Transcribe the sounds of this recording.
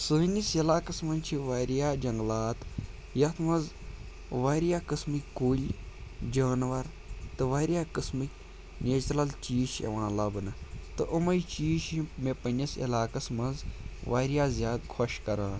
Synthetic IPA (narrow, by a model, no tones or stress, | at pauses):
sɨːnʲisilaːkɐsmɐnt͡ʃʰiʋaːɾjaːd͡ʒɐŋɡlaːt̪ | jɐt̪ʰmɐnz | ʋaːɾjaːkɨsmɨkʲkuːlʲ | d͡ʒaːnʋɐɾ | t̪ɨʋaːɾʲjaːkɨsmɨkʲ | nʲed͡ʒt̪ɾɐlt͡ʃiːʃḛʋãːlɐbnɐt̪ɨʔɨmɐjt͡ʃiːʃimepɐnʲisḭlaːkɐsmɐnzʋaːɾjaːzʲjaːd̪kʰoʃkɐɾaːn